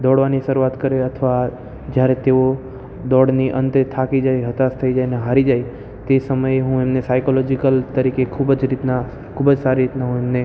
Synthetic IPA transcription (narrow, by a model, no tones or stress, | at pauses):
d̪ɔɽʋaniʃəɾuat̪kəɾeət̪ʰəʋa | d͡ʒjaɾet̪eo | d̪ɔɽniʔə̃nt̪et̪ʰakid͡ʒajɦət̪ast̪ʰəid͡ʒajneɦaɾid͡ʒaj | t̪esəməjeɦũemnesajkolɔd͡ʒikəlt̪əɾikekʰubəd͡ʒɾit̪na | kʰubəd͡ʒsaɾiɾit̪naɦũemne